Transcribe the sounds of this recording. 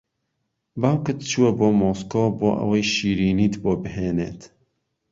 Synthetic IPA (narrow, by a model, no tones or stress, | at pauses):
baːwkɨt̪t͡ʃuwɐboːmoskoːbo̰ːʔɐ̰wɐjʃiːɾiːnit̪boːbɨɦeːnḛːt̪